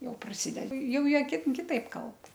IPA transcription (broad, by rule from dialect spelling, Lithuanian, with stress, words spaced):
jɛʊ prɐˈsʲɪdʲɛdɐ ˈjɛʊ ˈjiɛ ˈkʲɪt kʲɪˈtɐɪp ˈkɐlˠp